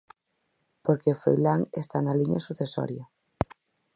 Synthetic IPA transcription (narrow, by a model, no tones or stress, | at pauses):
poɾkefɾo̰jlaŋest̪analiɲa̰suθeso̰ɾja